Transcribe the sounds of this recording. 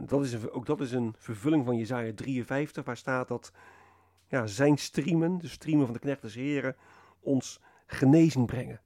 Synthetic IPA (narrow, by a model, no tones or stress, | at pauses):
dɑtɪsəowɡdɑtɪsənv̥əɹvɵlɪŋvɑnjezaːjadriənvɛjftəχʋaːɹstaːt̚dɑt | jaːzɛjnstriməndəstrimənvɑndəknɛχt̚dɛs̬ɦɪːɾə | ɔns | χənejzɪŋbrɛŋən